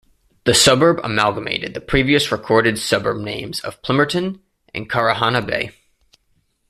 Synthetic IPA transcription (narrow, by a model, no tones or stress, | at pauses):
ðɨsʌbə˞bə̰mælˠɡəmḛɪɾɨd̪̚ðɨpʰɹ̥iviɨsɹɨkʰɔɹɾɨdsʌbə˞b̚nẽɪ̃mzʌ̰v̥pʰl̥ɪ̃mə˞tɨ̃n | ʔɨ̰̃nkʰɑɹɨɦɑnəbḛɪ